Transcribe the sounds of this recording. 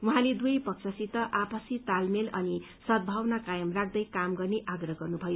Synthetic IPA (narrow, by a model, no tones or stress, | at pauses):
uɦãled̪ujpʌksʰʌsit̪ːʌʔapʌsit̪almelʌni | sʌd̪̚bʱawnakajʌmrak̚ʰd̪ʌjkamɡʌrneʔaɡrʌɦɡʌrnubʱʌjo